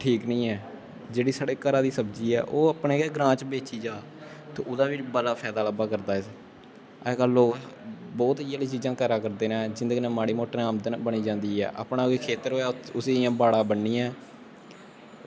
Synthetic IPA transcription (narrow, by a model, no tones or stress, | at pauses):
ʈʰiːknəĩːɛː | d͡ʒeːɽiːsaːɽeːkəɾaːd̪iːsəbd͡ʒiːɛ̰ːʔoːəpneːkɛːɡɾãːt͡ʃbeːt͡ʃiːd͡ʒaː | t̪o̰ːʊd̪aːʋit͡ʃbəlaːpʰɛːd̪aːləbaːkəɾd̪aːɪs | ɛːkəloːbɔːt̪ɪjaːliːt͡ʃiːzãːkəɾaːkəɾd̪eːnãːd͡ʒɪ̃nd̪əɡiːnɛ̃ːmaːɽiːmoːʈɾãːmd̪əbəɽ̃iːd͡ʒãːnd̪iːɛ̰ːʔa̰ːpnaːiːkʰeːt̪əɾɦoːaːʊsiːɪjãːbaːɽãːbənːĩːɛ̃ː